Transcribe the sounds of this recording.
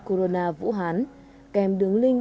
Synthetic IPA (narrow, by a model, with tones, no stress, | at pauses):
ko˧ɾo˧naː˧vṵ˧˥ɦaː˨˦n | kɛ˨˩mɗɨ˨˦əŋlï˧ŋ̟